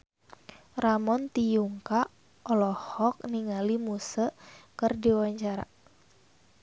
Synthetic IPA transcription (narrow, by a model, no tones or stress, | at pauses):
ramɔnt̪ijuŋka | ʔɔlɔhɔk̚niŋalimusəkərdiwaɲt͡ʃaɾa̰